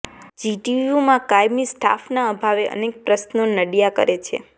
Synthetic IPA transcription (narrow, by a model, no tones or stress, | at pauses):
d͡ʒiʈijumãkajmisʈa̰fnaəbʱaʋeʔə̰nek̚pɾəsnonəɽjakə̰ɾet͡ʃʰḛ